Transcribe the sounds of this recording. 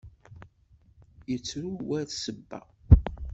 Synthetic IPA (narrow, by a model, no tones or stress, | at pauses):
jət͡sːɾuwæθsəbːæ̰